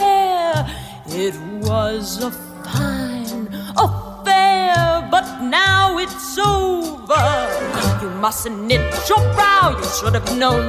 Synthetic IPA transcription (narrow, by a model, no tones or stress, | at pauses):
ɛ | ɪt̚wʌzə | pʰãɪ̃no | fɛɹbʌt̚ⁿnaʊɪtsoʊvə˞jɨmʌsɨ̃nnɪt͡ʃə˞bɹaʊjɨʃʊɾəvnõʊ̃n